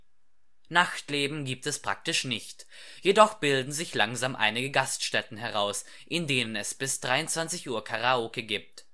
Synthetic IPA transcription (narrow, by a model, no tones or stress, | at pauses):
naxtleːbm̩ɡiːp̚tɛspʁ̥a̰k̚tɪʃnɪçt | jedɔχb̥ɪldn̩zɪçlaŋzaːmʔa̰ɪnɪɡəɡastʃtɛtn̩ɦɛʁ̞aʊs | ʔɪndeːnənɛsb̥ɪsd̥ʁaɪʊntt͡sv̥ant͡sɪçʔuːɐkʰaʁaoːkəɡiːp̚t